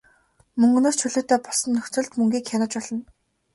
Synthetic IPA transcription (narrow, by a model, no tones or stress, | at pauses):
mɵŋɡɵ̆noːst͡ɕʰɵɮoːt̪œːpɔɮsɞ̆nːɵxʲt͡sɵ̆ɮt̪mɵŋɡʲiːkʰʲanʊ̆t͡ɕpɔɮɞ̆n